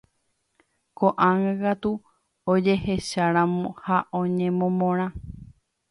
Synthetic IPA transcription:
koʔãŋãkat̪u | od͡ʒe̞he̞ʃaɾãmõhaʔõɲẽmõmõɾ̃ã

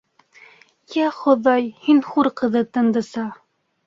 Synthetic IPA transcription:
jæχŏðɑjhinχuɾqɤ̆ðɤt̪ɤ̆nd̪ɤ̆sɑ

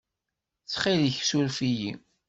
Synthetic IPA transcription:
t͡sːχiðəçsulfijḭ

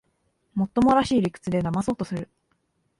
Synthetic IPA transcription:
mo̞t̪ːo̞mo̞ɾaɕiːɾʲikɯ̥t͡sɨd̪e̞namaso̞ːt̪o̞sɨɾɯ̟

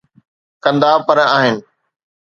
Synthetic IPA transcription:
kɐ̃nd̪aːpɐɾaːɦɪnɪ̆

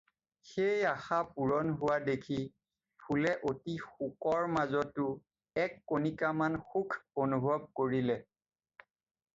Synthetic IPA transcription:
xejaxapuɹɔnɦʊwadekʰi | pʰulɛʔotixukɔɹmazɔtːʊ | ɛkːonikamanxukʰonubʱɔb̚koɹilɛ

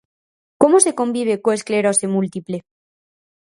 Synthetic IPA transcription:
ko̞mose̞ko̞mbiβ̞e̞koeskle̞ɾosemult̪iple

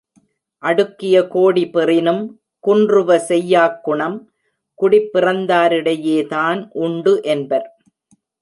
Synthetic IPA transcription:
ʔɐɽɯkːɪjɐkoːɽipɪrɪnɯm | kʊɳdrɯʋɐsɛjːaːkːʊɳɐm | kʊɽɪpːɪrɐnd̪aːɾɪɽɐjeːðaːnʔʊɳɖɯʔɛnbɐɾ

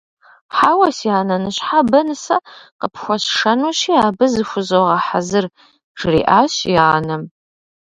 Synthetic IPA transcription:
ħaːwɐsiaːnɐnɨɕħabɐnɨsɐ̰qəpxʷɔɕʂɐnuɕiːaːbɨzɨxʷʊzowʁɐħazɨr | ʒ̥rḭːʔaːɕjanɨm

